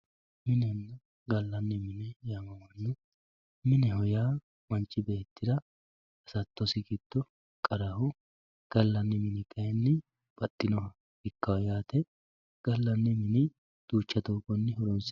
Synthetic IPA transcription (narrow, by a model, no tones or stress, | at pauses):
mɪnɛnːɐ | ɡɐlːɐnːɪmɪnɛjamɐwɐnːʊ | mɪnɛɦɔjaː | mɐnt͡ʃːɪbeːt̪ːɪd̪ɐ | ɐsɐt̪ːɔsɪkɪd̪̥ːɔ | kʼɐɾɐhʊ | ɡ̥ɐlːɐnːɪmɪnɪkʰʼɐjɛnːɪ | b̥ɐt̪ʼːɪnɔhɐ | ɪkːɐwɐjaːt̪ɛ | ɡ̥ɐlːɐnːɪmɪnɪ | d̪̥uːt͡ʃːɐt̪oːkʼɔnːɪɦɔɾɔs